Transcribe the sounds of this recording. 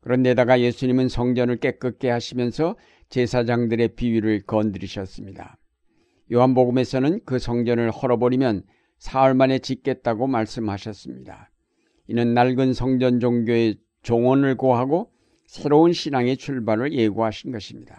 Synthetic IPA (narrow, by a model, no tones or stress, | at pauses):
kɯɾʌnde̞daɡaje̞sʰuɲimɯnsʰʌŋd͡ʑʌnɯɭk͈e̞k͈ɯk͈e̞ɦaɕʰimjʌnsʰʌ | t͡ɕe̞sʰad͡ʑaŋdɯɾe̞piɥiɾɯɭkʌndɯɾiɕʰʌs͈ɯmɲida | joɦanboɡɯme̞sʰʌnɯnkɯsʰʌŋd͡ʑʌnɯɭhʌɾʌbʌɾimjʌn | sʰaʌɭmane̞t͡ɕik͈ːe̞t̚t͈aɡomaɭs͈ɯmɦaɕʰʌs͈ɯmɲida | inɯnːaɭɡɯnsʰʌŋd͡ʑʌnd͡ʑoŋɡjoe̞ | t͡ɕoŋʌnɯɭkoɦaɡo | sʰe̞ɾounɕʰinaŋe̞t͡ɕʰuɭbanɯɭje̞ɡuɦaɕʰinɡʌɕʰimɲida